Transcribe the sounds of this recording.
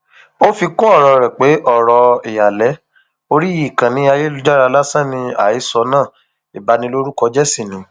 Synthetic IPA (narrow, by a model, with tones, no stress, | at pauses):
o˦fi˧kɔ̃˦ɔ˦˨ɾɔ˧ɾɛ˨k͡pe˨˦ʔɔ˦˨ɾɔ˨e˨ja˨lɛ˨˦ | o˧ɾi˦i˦˨kã˨nĩ˨˦a˧je˦lu˧d͡ʒa˦ɾa˧la˦sã˦˨nĩ˧a̰˨i˨˦sɔ˧˦nãː˦˨ | i˨ba˨˦nĩ˧lo˦ɾu˦kɔ˧d͡ʒɛ˦sĩ˦˨nĩ˨˦